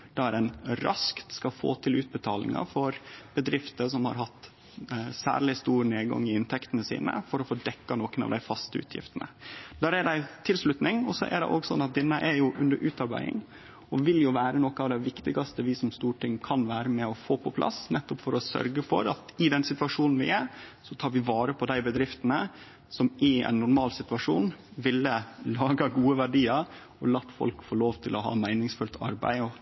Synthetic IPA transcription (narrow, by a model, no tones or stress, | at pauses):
d̪̥ɑæɾɛnɾɑskt̪skɑfo̰ːt̪ʰɪlʉːt̪̚bət̪ʰɑːlɪ̰ŋɑ̰fɔɾb̥əd̪ɾɪft̪əsɔmhɑ̰ɾɦɑt̪ː | sæ̰ːɭɪst̪uːɾneːɡɑ̰ŋːɪɪnt̪ʰɛkt̪ənəsḭːnə̰fɔɾɔfoːd̪ɛkːɑnɔːkənɑ̰ʋd̪æɪfɑst̪əʉ̰ːt̪ʰjɪ̰ft̪ənə̰d̪æːɾæɖæɪt̪ʰɪlslʉt̪nɪŋɔsɔʔæ̰ɖ̪ɛ̰ʔoːɡsɔnːɑt̪̚d̪ɪnːəʔɛɾjʊʔʉnd̪əɾʔʉːt̪ɑɾbæ̰ɪɪ̰ŋ | ɔʋɪljʊʋæːɾənɔkɑːʋd̪æɪʋɪkt̪ɪɡɑst̪əʋɪsɔmst̪uːʈʰɪŋkʰɑnʋæːɾəmɛɔfoːpʰɔpʰlʔɑ̰snɛt̪ːɔpfɔɾɔsœ̰ɾɡəfɔ̰ɾɑt̪ɪd̪ɛnsɪt̪ʉɑʂuːnn̩ʋɪæɾsɔt̪ʰɑːɾʋɪʋɑːɾəpʰɔd̪æɪbəd̪ɾɪft̪ənə | sɔmɪɛ̰ɪnːʊɾmɑːlsɪt̪ʉɑʂuːnʋɪlːəlɑːɡɑɡuːəʋæɖiːɑɾ | ɔlɑt̪ːfɔ̰lkfoːɭoːʋt̪ʰɪlʔɔɦɑ̰ːmæɪnɪŋsfʉlt̪ʰɑ̰ɾbæ̰ɪɔ